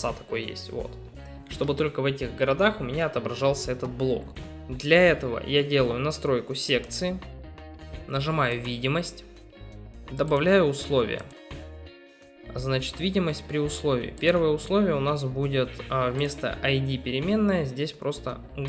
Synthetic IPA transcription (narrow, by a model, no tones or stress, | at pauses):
at̪ɐ̥ko̞̰jjḛsʲtʲvo̞̰t̪ | ʂt̪o̞bɨt̪o̞lʲkəvɛtʲɪɣɡəɾɐd̪axʊmʲɪnʲaɐt̪əbɾɐʐɑlˠsʲəɛt̪ət̪̚blˠo̞̰k | d̪lʲɐɛt̪əvə̰jadʲe̞lˠəjʊnɐst̪ɾo̞jkʊsʲe̞kt̪sɨɪ | nəʐɨmajʊvʲidʲɪməsʲtʲ | d̪əbɐvlʲæjʊːslˠo̞vʲɪ̰jə̰ | znat͡ɕɪ̥t̪vʲidʲɪməsʲt̚ʲpɾʲɪʊslˠo̞vʲɪ̰ːpʲe̞rvəjəʊslˠo̞vʲɪjəʊnas̬budʲɪt̪vmʲe̞st̪ə̰ʔɐjdʲipʲɪɾʲɪmʲe̞nːəjəzʲdʲesʲpɾʔo̞st̪ə̰